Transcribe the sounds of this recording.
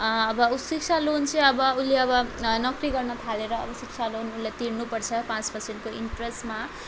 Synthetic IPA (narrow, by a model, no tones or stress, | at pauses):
ʌbʌusik̚t͡sʰalont͡sʌ̃j̃ʌbʌulːeʌbʌnʌkriɡʌrnʌt̪ʰaleɾʌ̰ːbʌsik̚t͡sʰalonunlːet̪iɾnupʌrt͡sʰʌpãt͡spʌsʰenkoiɳʈresʈma